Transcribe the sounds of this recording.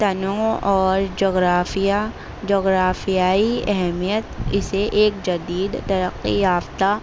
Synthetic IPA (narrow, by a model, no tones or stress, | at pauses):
t̪ɐnõɔːɾd͡ʒoːɡɾaːfija | d͡ʒoːɣɾaːfijaːiɛɦɛmijət̪ɪseʔeːk̚d͡ʒɐd̪iːd̪t̪ɐɾəqːijaːft̪a